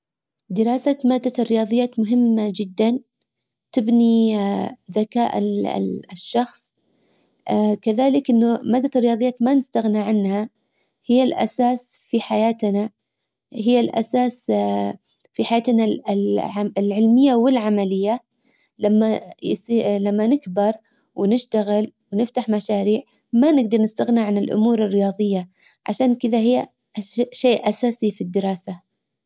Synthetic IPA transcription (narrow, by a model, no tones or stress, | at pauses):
d̪ɪɾɑːsamaːd̪ːarːɪjɑːðˤɨjːaːt̪mʊɦɪmːad͡ʒɪd̪ːan | t̪ɪbni | ðaka̰ːʔ | ʃːɑxsˤ | kaðaːlɪkʔɪnːʊmaːd̪ːarːjɑːðˤɨjaːt̪manɪst̪aɣniʕanha | hɪjːalʔa̰saːsfiħajaːt̪na | hɪjːalʔa̰saːs | fiħajaːt̪naʕaɪlʕɪlmɪjːawɪlʕamalɪjːa | lamːajsiːlamːanɪkbɪɾˤ | wɪnɪʃt̪aɣɪlwnɪft̪aħmaʃaːɾiːʕ | manɪɡd̪ɑɾˤnɪst̪aɣniʕanɪlʔʊ̰muːɾɪrːɪjɑːðˤɨjːa | ʕa̰ʃaːnkɪðaɦɪjː | ʃeːʔʔasaːsifid̪ːɪɾɑːsa